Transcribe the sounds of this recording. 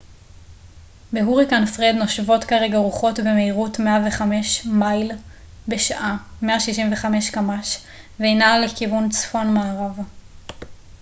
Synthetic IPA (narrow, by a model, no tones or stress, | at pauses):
beɦuʁikanfʁed̪no̞ʃvo̞tkaʁe̞ɡaʁuχo̞tbe̞meiʁutmeaveχame̞ʃmajl | be̞ʃaʔame̞aʃiʃimveχame̞ʃkamaʃ | veinale̞kivunt͡sfo̞nmaːʁav